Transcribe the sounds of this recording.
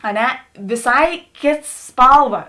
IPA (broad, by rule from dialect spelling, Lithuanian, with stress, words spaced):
ɐ ˈnʲɛ ʋʲɪˈsɐɪ ˈkʲeːts ˈspɐlˠˌʋɐ